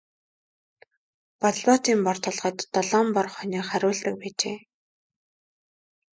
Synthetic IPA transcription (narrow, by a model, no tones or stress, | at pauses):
pɔɮpɔːt̪iːmpɔr̥t̪ʰɔ̆ɮʁə̆t̪ːɔɮɔːmpɔrχɔniːχæɾʲʊːɮt̪ə̆k̚pæːt͡ɕḛː